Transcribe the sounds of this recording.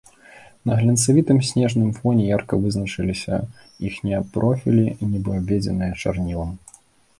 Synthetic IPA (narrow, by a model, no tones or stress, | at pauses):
nɐɣlʲɐnt̪savʲit̪ɨmsʲnʲɛʐnɨmfɔnʲɛjarkɐvɨznɐt͡ʂɨlʲisʲɐ̰ | ixnʲiɐpɾɔfʲilʲinʲɛbɨabʲvʲed͡zʲɛ̰nɨjɛt͡ʂa̰rnʲilˠɐm